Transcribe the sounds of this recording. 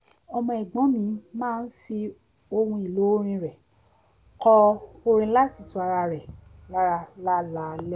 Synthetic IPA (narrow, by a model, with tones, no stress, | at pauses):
ɔ˧mɔ̃˧i˨ɡ͡bɔ̃˨˦mĩ˨˦mãː˦˧˦n̩˦fi˧ | o˧hũ˧i˨lo˨˦ɾ̃ĩ˧ɾɛ˨ | kɔ˧o˧ɾ̃ĩ˧˦la˦˨ti˨˦su˨˧a˧ɾa˧ɾɛ˨la˦ɾa˧la˦la˨˦lɛ˦